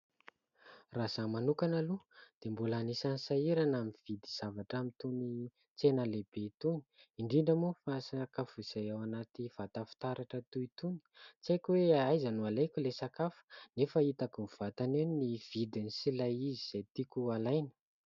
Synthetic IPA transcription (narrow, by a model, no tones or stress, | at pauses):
razamanukanalud̪̥embulanisansaiɾanamiv̥id̪iz̥avaʈ͡ʂamit̪uni | t͡senəleb̥et̪uni̥iɳɖ͡ʐiɳɖ͡ʐəmufasakafuz̥ajawanat̪iv̥at̪afu̥t̪aɾaʈ͡ʂət̪uit̪uni̥t͡sekweajzanualejkʲulesakafu̥nefəit̪akumv̥at̪aneniv̥id̪inisilajiziz̥ejt̪ikʲualajnə̥